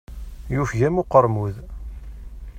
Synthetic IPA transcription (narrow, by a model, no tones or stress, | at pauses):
jufʝæmʊqəɾˤmuð